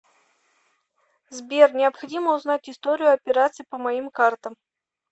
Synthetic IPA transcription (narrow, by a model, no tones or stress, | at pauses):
zbʲernʲɪɐpxɐdʲiməʊznatʲɪst̪oɾʲɪjʊɐpʲɪɾat̪sɨjpəmɐimkart̪əm